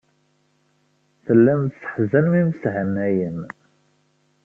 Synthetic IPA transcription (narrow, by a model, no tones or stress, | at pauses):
θəlːæmt̪sə̥ħzænmimsʕənːæjən